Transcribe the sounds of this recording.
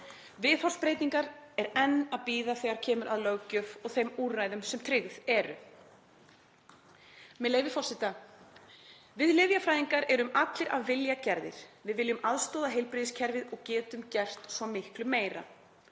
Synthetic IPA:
vɪːðhɔ̥spɾeːjt̪iŋkaɾɛɾɛnːaðpiːðaθɛɣaɾ̥cʰɛːmʏɾaðlœɣcœfɔɣθejmuːraːjðʏmsɛmt̪ʰɾɪɣðɛɾʏ̰ | mɛðleːjvɪfɔrsɪt̪a | vɪðlɪvjafɾajðiŋkaɾɛɾʏmat̪lɪɾaðvɪljacɛɾðɪ̰ɾ̥vɪðvɪljʏmaðst̪ɔːwðaɦejlpɾɪðɪscʰɛɾvɪðɔɣcɛːt̪ʏmcɛr̥t̪svɔmɪhklʏmːeːjɾa̰

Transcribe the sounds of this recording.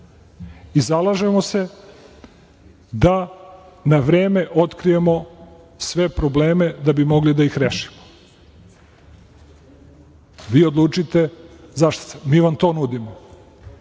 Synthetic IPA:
izalˠaʒemo̞se̞ | d̪a | naʋɾeːme̞ʔo̞t̪kɾijemo̞ | sʋe̞pɾoble̞ːme̞d̪abimo̞ɡlid̪aixɾeːʃi̥mo̥ | ʋiːod̪lˠuːt͡ʃit̪e̞zaʃt̪smiːʋamt̪o̞ːnud̪imo

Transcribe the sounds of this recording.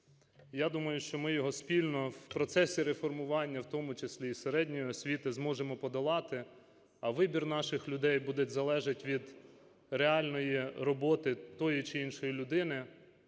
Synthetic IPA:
jad̪umɐjʊʃt͡ʃɔmɪjɔɦɔsʲpʲilʲnɔwpɾɔt̪sɛsʲiɾefɔrmʊʋɑnʲːɐwt̪ɔmʊt͡ʃesʲlʲiːseɾɛdʲnʲijɔɔsʲʋʲit̪ɪzmɔʒemɔpɔd̪ɐlˠɑt̪ɪ | ɐʋɪbʲirnɑʃɪxlʲʊd̪ɛjbud̪etʲzɐlˠɛʒɐtʲʋʲid̪ | reɑlʲnɔjirɔbɔt̪ɪt̪ɔjit͡ʃɪinʃɔjilʲʊd̪ɪnɪ

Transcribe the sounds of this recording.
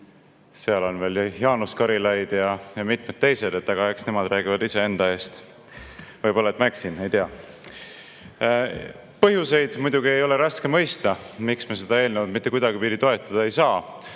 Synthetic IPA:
seɑlo̞nve̞ːljhjɑːnuskɑɾilɑjd̪̥jɑjɑmit̪ˑmed̪̚t̪e̞jse̞d̪e̞t̪ːɑɡ̥ɑe̞ksne̞mɑd̪ræːɡ̥ivɑd̪ise̞e̞nd̪ɑe̞ːst̪ | vɤjbo̞lːɑet̪mæksinejt̪eɑ | pɤɦjuse̞jd̪̥mujd̪̥ʲuɡ̥ie̞jo̞le̞ɾɑske̞mɤ̞jst̪ɑmiksmese̞d̪̥ɑe̞ːlnevɑd̪mit̪ːˑe̞kujd̪̥ɑɡipid̪it̪o̞e̞t̪ːˑɑd̪̥ɑe̞jsɑː

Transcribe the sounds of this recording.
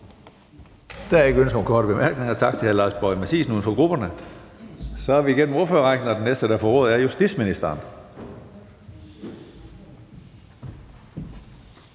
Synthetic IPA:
d̥æɐe̝ɡ̥əønsɡ̥okʰɒ̰ːɾəb̥e̝mæɐɡ̥ne̝ŋɐt͡sʰɑ̈ɡ̥̚t͡sʰe̝ælɑ̈ːsb̥ɒɪmæsḭːsnuːn̩fɒ̽ɡ̥ʁub̥ɐnə | sɒ̽hæʋiːɡen̰m̩o̝ɐføːɐʁɑɡ̥dn̩ɒd̥enesd̥əd̥æfɒʁɔ̽ːð̞̩ˠæɐjusd̥idsminisd̥ɐːn

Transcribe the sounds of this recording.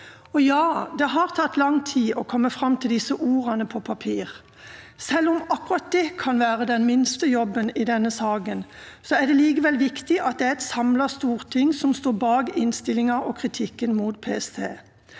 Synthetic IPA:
ɔjɑːd̪ɛɦɑʁt̪ʰɑt̪ːlɑŋt̪ʰiːʔɔkʰɔmːəfʁɑmːt̪ʰɪld̪ɪsəʔuːʁɑnəpʰɔpʰɑpʰiːʁ | sɛlɔmɑkːɾɑt̪̚d̪ɛːkʰɑnʋæːʁəd̪ɛnmɪnst̪əjɔbənɪd̪ɛnːəsɑːɡən | sɔæɖ̪ɛliːɡəʋɛlʋɪkt̪ɪʔɑt̪̚d̪ɛæɾɛt̪sɑmlɑʁst̪uːʁt̪ʰɪŋːsɔmst̪oːbɑːɡɪnst̪ɪlɪŋɑɔkʰʁɪt̪ʰɪkːənmuːt̪pʰeːɛst̪ʰḛː

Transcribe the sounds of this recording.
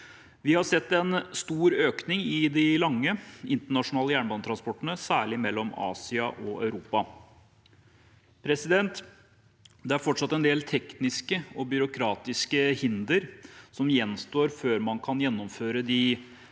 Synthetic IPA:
ʋɪhɑsɛt̪ːɛnst̪uːɾøːknɪŋɪd̪ɪlɑŋːəɪnt̪əɳɑʂʊnɑːləjæːɳbɑnt̪ʰɾɑnspɔʈːənəsæːɭɪmɛlːɔmɑ̰ːsɪɑʔɔʔœ̰ʉɾuːpɑ | pʰɾɛsɪd̪ɛnt̪ | d̪ɛæɾfɔʈʂɑt̪ːɛnd̪eːlt̪ʰɛknɪskəɔbʏɾʊkʰɾɑːt̪ɪskəhɪnd̪əɾsɔmjɛnst̪oːɾføːɾmɑnkʰɑnjɛnːɔmføːɾəd̪ɪ

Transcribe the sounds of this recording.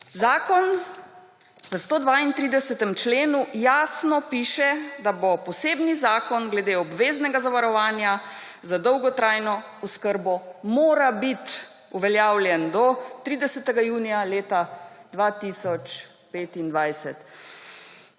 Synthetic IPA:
zaːkɔn | ʋəst̪oːd̪ʋaint̪ɾiːd̪ɛsɛt̪ɛmt͡ʃleːnujaːsnɔpiːʃɛd̪abɔpɔseːbnizaːkɔnɡlɛd̪eɔbʋeːznɛɡazaʋaɾɔʋaːnja | zad̪ɔwɡɔt̪ɾajnɔ | ɔskəɾbɔmoːɾabit̪ | uʋɛljaːwljɛnd̪ɔt̪ɾiːd̪ɛsɛt̪ɛɡajuːnijaleːt̪ad̪ʋat̪isɔt͡ʃ | peːt̪ind̪ʋajsɛt̪

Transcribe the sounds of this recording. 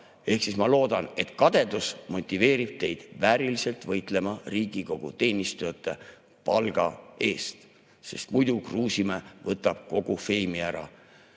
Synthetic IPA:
e̞hksismɑlo̞ːd̪ɑne̞t̪kɑd̪̥e̞d̪usmo̞t̪ʲːˑive̞ːɾib̥̚t̪e̞jd̪̥væːɾilise̞lt̪vɤ̞jt̪ˑle̞mɑriːɡiko̞ɡ̥ṵt̪e̞ːnʲist̪ujɑt̪ːˑe̞ | pɑlɡ̥ɑ̰e̞ːst̪ | se̞̰st̪mujd̪ukruːsimevɤt̪ːˑɑb̥̚ko̞ɡ̥ufe̞ːmiæɾɑ̰

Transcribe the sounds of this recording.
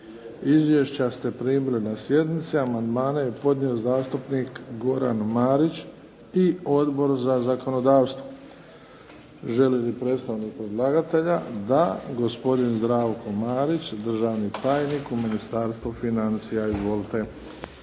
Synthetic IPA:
izʋjeʃt͡ɕast̪e̞pɾiːbled̪nasje̞d̪nit̪siamand̪maːnaje̞po̞d̪ɲiozaːst̪upnikɡo̞ɾa̰nmaːɾit͡ɕ | io̞d̪bo̞ɾzazako̞no̞d̪aːʋst̪ʋo | ʒe̞lilipɾe̞t̪st̪aʋnik̚pɾed̪lˠaːɡat̪e̞ʎad̪a̰ɡo̞spo̞d̪inzd̪ɾaːʋko̞maːɾit͡ɕd̪r̩ʒaːʋnit̪aːjnikuminist̪aːɾst̪ʋufinant̪sijaizʋo̞lˠt̪e̞

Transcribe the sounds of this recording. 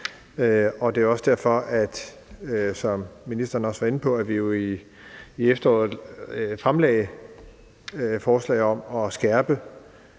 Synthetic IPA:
øɒ̽d̥e̝ɒ̽sd̥æɐfɒ̽ʔæd̥ | sɒ̽mːinisd̥ɐːn̩ɒ̽sʋɑ̈e̝nəpʰɒ̽æʋijo̝iː | efd̥ɐɒ̰ːð̩ˠfʁamlɛ̰ɪ | fɒːslɛ̰ɪɒ̽mɒ̽sɡ̥æɐb̥ə

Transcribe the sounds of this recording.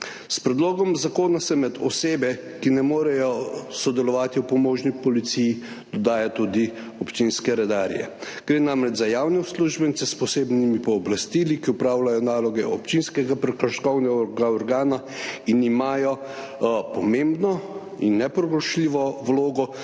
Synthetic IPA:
spɾɛd̪loːɡɔmzakoːnasɛmɛd̪ɔseːbɛ | kinɛmoːɾɛjɔsɔd̪ɛlɔʋaːt̪iwpɔmoːʒnipɔlit̪siji | d̪̥ɔd̪aːjat̪ud̪i | ɔpt͡ʃinskɛɾɛd̪aːɾjɛ̰ | ɡ̥ɾeːnamɾɛd͡ʒzajaːwnɛusluʒbɛnsɛspɔseːbnimipɔːblast̪ilikiʊpɾaːwlajɔnaːlɔɡɛʔɔpt͡ʃinskɛɡapɾɛkaʃkɔwnɛɡaɔɡaɔɾɡaːna | inimaːjɔ | pɔmẽmbnɔ | inːɛpɾɔɡɾɔʃliʋɔwloːɡɔ

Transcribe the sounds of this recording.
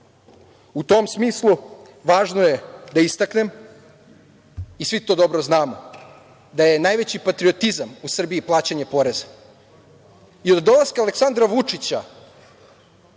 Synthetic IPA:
ut̪o̞msmiːslˠu | ʋaːʒno̞je̞d̪aist̪akne̞m | isʋit̪o̞ːd̪o̞bɾoznaːmo | d̪aje̞najʋe̞t͡ɕipat̪ɾiot̪izamusr̩biiplˠaːt͡ɕaɲepo̞ɾe̞za | iod̪ːo̞lˠaskaleksand̪ɾaʋut͡ʂit͡ɕa

